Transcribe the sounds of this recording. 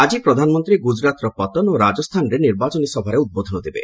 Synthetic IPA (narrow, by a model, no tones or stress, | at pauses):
ad͡ʒipɾɔd̪ʱanɔmɔnt̪ɾiɡud͡ʒɾat̪ɾɔpɔt̪ɔnoɾad͡ʒɔst̪ʰanɾeniɾbat͡ʃɔnisɔbʱaɾeud̪̚bod̪ʱɔnɔd̪ibḛ